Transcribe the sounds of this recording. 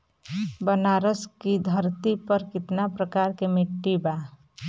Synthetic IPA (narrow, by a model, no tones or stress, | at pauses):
bənaːɾəskid̪ʱəɾt̪ipəɾkɪt̪napɾəkaːɾkemɪʈːiba